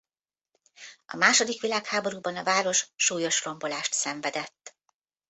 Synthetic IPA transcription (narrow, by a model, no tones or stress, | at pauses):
ɒ̰maːʃo̞d̪ikʋilaːkhaːbo̞ɾuːbɒnɒvaːɾo̞ʃʃuːjo̞ʃro̞mbo̞laːʃt̪sɛɱvɛd̪ɛt̪ː